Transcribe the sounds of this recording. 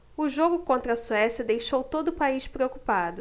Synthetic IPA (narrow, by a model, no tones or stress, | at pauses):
ʊʒoɡʊkõnt̪ɾɐsuɛsjɐd̪ejʃowt̪od̪ʊʊpaiʃpɾeokupad̪ʊ